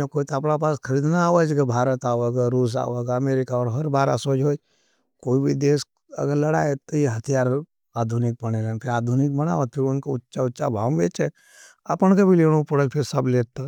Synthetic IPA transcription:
ekoːit̪ɐpɽapaːskʰɐɾiːd̪naaːʋəd͡ʒɡabʱaːɾət̪aːʋəɡaɾuːs̬a̰ːʋəɡɐmeːɾɪkaɔːɾɦɐɾbaːɾa̰soːd͡ʒɦoː | koːibʱid̪eːs | ɐ̰ɡəɾlɐɽaːet̪ojeɦɐt̪ʰijaːɾ | aːd̪ʱunɪk̚bɐɽ̃elə̃npʰɪɾaːd̪ʱunɪk̚bɐna̰ːʋət̪̚pʰɪɾʊnkoʊtːʃaʊtːʃabʱa̰ːʋbeːt͡ʃe | a̰pəñkabʱileːɽ̃õpoɽəlpʰɪɾsɐbleːt̪a

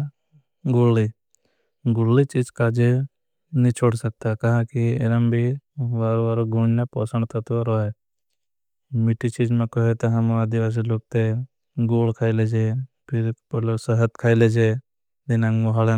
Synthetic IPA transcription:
ɡʊlːi | ɡʊlːit͡ʃid͡ʒkad͡ʒe | nĩt͡ʃʰoːɽsək̚t̪akɐɦãkieɾəmbʱiʋaːɾoʋaɾoɡuɽnepɔsə̃ɳɖt̪ɐt̪aɾoe | mɪʈit͡ʃiːd͡ʒmẽkəɦet̪ɔɦɐmad̪ɪʋaːs̬iloːɡ̚t̪e | ɡoːlkʰaːiled͡ʒe | pʰɪɾpəlosəɦət̪kʰaːiled͡ʒe | d̪ɪnãŋmoɦale

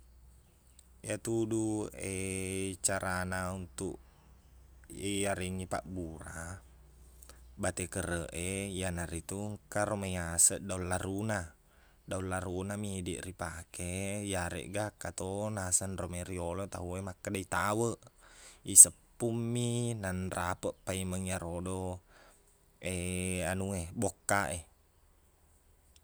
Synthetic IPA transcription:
jat̪uduet͡ʃaɾʔanaunt̪ṵʔ | iaɾiŋipa̰ʔbuɾa | bat̪ɛkəɾəʔejanaɾit̪uŋkaɾomejasəʔdaulːaɾuna | daullaɾunamidḭʔripakʰejaɾḛʔɡakːat̪onasanromeɾiolot̪aɦuemakːadait̪awəʔisəpːumːinanrʔapəʔpaiməŋijaɾodo | eanuebokːaʔe

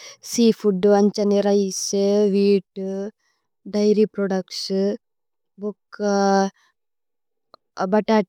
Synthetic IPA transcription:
siːfʰuɖuɐɲt͡ʃɐniɾɐjsʋiːʈu | ɖɐjɾipɾoːɖɐks | bukːɐ | bɐʈaːʈ

